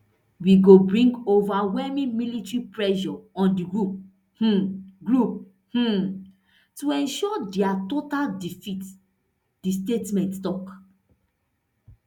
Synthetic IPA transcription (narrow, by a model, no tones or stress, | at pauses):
wiɡobɹĩŋɡovawɛmĩmilitɹipɹɛʃɔɔ̃ndiɡɹup̚ | h̩ɡɹup̚ | h̩ | tuɛ̃nʃɔdɛatotaldifit | distetmɛ̃nttɔk